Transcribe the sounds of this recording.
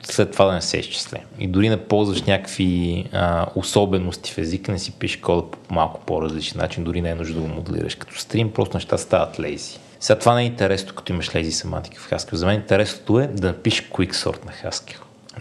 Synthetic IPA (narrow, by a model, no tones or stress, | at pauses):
slɛt̪ːovad̪ɐnɛsɛ̰ist͡ʃi̥slɛ̰mḭd̪ʊɾinɛpɔlˠzvɐʃnʲakəkviəosɔbɛnost̪i̥fɛziknɛsipiʃkɔd̪əpo̥malˠkʊ̥poɾɐzlit͡ʃɛnːa̰t͡ʃind̪ʊɾinɛɛnuʒdəd̪əɡomʊd̪ɛ̰lḭɾə̰ʃkə̥t̪ɔ̥st̪ɾimpɾɔ̰st̪ʊnɛʃt̪ast̪avət̪lɛ̰jzi̥ | sɛɡat̪ovanɛint̪ɛɾɛsnokɐ̥t̪ɔiməʃlɛjzisɐma̰nt̪i̥kə̥fxaskʲɛwzɐmɛnint̪ɛɾɛsno̥t̪oɛd̪ɐnɐpiʃkiksɔ̰ɾt̪nɐxaskʲɛw